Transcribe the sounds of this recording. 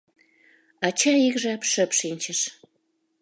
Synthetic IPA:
ɑt͡ɕɑikʒɑpʃəpʃinʲt͡ɕəʃ

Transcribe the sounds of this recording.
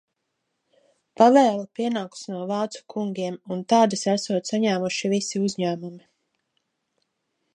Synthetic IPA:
pavɛːlˠapiɛnaːku̥snuɔvɑːt̪su̥kʰuŋɡʲiɛmunt̪ɑːd̪asasuɔt̪saɲæːmuʃivisiuzʲɲæːmumi

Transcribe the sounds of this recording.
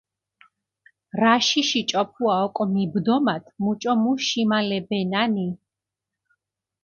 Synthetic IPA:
ɾaʃiʃit͡ʃʼɔpʰuaɔkʼɔmibd̪ɔmat̪ʰmut͡ʃʼɔmuʃimalɛbɛnani

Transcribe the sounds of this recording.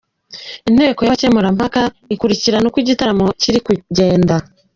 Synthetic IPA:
in̥he̞ːko̞jaβcemuɾam̥haka | ikuɾiciɾanokwiɟitaɾamo̞ciɾikuɟe̞ːnda

